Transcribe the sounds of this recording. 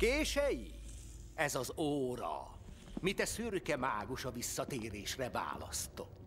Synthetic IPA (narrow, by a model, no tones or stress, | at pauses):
keːʃɛji | ɛzɒzoːɾɒ̰ | mit̪ɛsyrkɛmaːɡoʃɒvisːɒt̪eːɾeːʃrɛva̰ːlɒ̰st̪o̞t̪ː